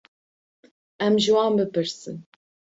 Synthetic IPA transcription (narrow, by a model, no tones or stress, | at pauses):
ɛmʒɨwɑːnbɨpɨɾsɨ̰n